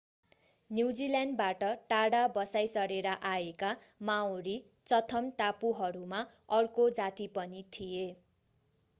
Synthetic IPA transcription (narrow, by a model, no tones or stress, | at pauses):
njuwd͡zilanɖbaʈʌʈaɽabʌsajsʌɾeɾaʔaeka | maoɾi | t͡sʌt̪ʰʌmʈ̪apuɦʌɾuma | ʌrkod͡zat̪ipʌnit̪ʰije